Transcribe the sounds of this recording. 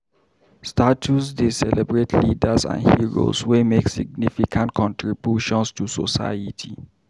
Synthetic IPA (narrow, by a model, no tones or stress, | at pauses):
statʰusdesɛlɛbɹetʰlidasã̰nhiɹo̰swemeksiɡ̚nifikʰãntkʰɔ̃ntɹibjuʃɔ̃nstusɔsa̰itʰi